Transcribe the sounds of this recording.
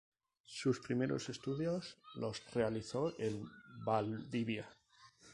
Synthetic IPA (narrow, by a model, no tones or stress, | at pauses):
suspɾimeɾo̞̰se̞st̪uðjozlo̞srealiθo̞ʔembaldiβja